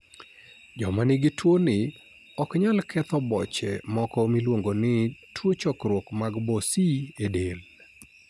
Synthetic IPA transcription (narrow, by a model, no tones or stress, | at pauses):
d͡ʒɔmanɪɡɪtwonɪ | ɔkɲalkʰɛt̪ɔbɔt͡ʃɛ̰mɔkɔmilwoŋɡonɪtwot͡ʃɔkɾwokmaɡbɔsiedel